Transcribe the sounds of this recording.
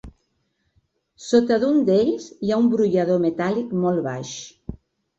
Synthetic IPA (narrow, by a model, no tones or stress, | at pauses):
sot̪əðund̪eʎzjaumbɾuʎaðomet̪alikmolˠβaʃ